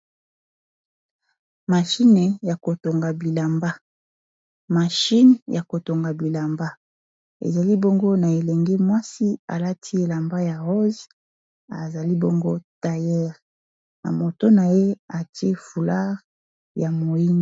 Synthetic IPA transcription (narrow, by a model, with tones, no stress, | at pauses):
ma˨ʃi˦ne˨ja˨ko˨to˨ŋɡa˨bi˨la˨mba˦ | ma˨ʃi˦nja˨ko˨to˨ŋɡa˨bi˨la˨mba˦ | ḛ˨za˨li˦bo˦ŋɡo˦na˨e˨lɛ˨ŋɡe˦mwa˦si˦a̰˨la˦tʰi˦e˨la˨mba˦ja˨ʁo˦z | a̰˨za˨li˦bo˦ŋɡo˦ta˨jɛ˦ʁ | na̰˨mo˨to˦na˨je˦a˨ti˦e˦fu˨la˦ʁ | ja˨mo˨i˦n˨˦